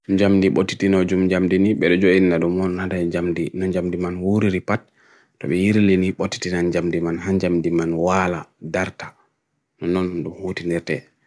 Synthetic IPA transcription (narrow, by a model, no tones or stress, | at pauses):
ɲd͡ʒamdiɓotːi̥tinɔd͡ʒumd͡ʒamdiniɓɛɗɔd͡ʒoʔinnaɗumɔnhadad͡ʒamdinɔɲd͡ʒamdimanwuɾiɾipat̚ː | ɔ̰ɓɛjiɾiliniɓotːi̥tinand͡ʒamdimanɦaɲd͡ʒamdimanwaladaɾtḁ | nɔnɔnɗumhotiniɾtɛ